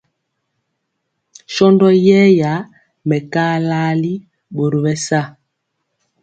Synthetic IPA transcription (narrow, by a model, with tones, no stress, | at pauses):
ʃɔ˦ndɔ˦jɛ˦ja˨˦ | mɛ˨ka˦laː˦li˦ | ɓo˨ɾo˨ɓɛ˦sa˦˨